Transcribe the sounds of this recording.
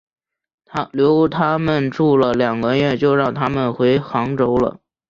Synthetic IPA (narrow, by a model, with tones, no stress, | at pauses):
t̪ʰa˥ljo˧˥ʊt̪ʰa˥mə˨nʈ͡ʂu˥˩lə˩ljɑ˨˩ŋɡə˦ɥɛ˥˩t͡ɕjo˥˧ʊɻɑ˥˩ŋt̪ʰa˥mə˨nxwe˧˥ɪxɑ˧˥ŋʈ͡ʂo˥ʊlə̰˨